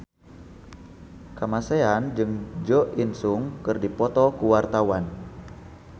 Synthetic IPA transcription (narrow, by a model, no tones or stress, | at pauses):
kamaseand͡ʒɨŋd͡ʒɔʔinsuŋkɨrdipɔt̪ɔkuwart̪awan